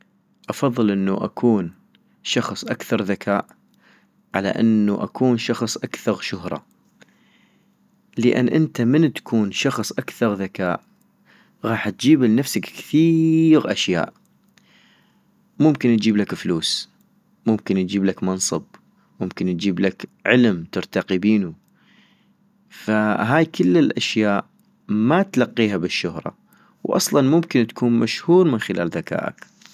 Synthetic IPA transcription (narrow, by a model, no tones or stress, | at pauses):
ʔɑfɑðˤːɨlʔɪnːuʔa̰kʰuːn | ʃɑxsˤʔakθɑɾˤðakʰaːʔ | ʕala̰ʔɪnːuʔa̰kʰuːnʃɑxsˤʔakθɑɣʃʊhɾˤɑ̰ | ləʔɪ̰nːʔɪnt̪amɪnt̪ḁkʰuːnʃɑxsˤʔakθɑɾˤðakaːʔ | ɣɑːħt̪̚d͡ʒiːbɪlnafsakkθiːɣʔa̰ʃja̰ːʔ | mʊmkɪnt̪d͡ʒiːblakfluːs | mʊmkɪnd͡ʒiːblakmɑnsˤɨb̚ | mʊmkɪnt̪d͡ʒiːblakʕɪlmt̪ɪɾt̪ɑqibiːnu | faɦaːjkɪlːɪlʔaʃjaːʔ | mat̪lɑqːiːɦabɪʃːʊhɾˤɑ̰ | wʔɑ̰sˤlɑnmʊmkɪnt̪ḁkʰuːnmaʃhuːɾmɪnxɪlʔa̰ːlðaka̰ːʔa̰k